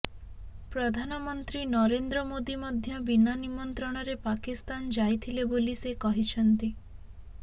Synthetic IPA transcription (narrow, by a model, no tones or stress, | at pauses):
pɾɔd̪ʱanɔmɔnt̪ɾinɔɾend̪ɾɔmod̪imɔd̪ʱjɔbinanimɔnt̪ɾɔɽ̃ɔɾepakist̪and͡ʒajt̪ʰilebolisekɔɦit͡ʃʰɔnt̪i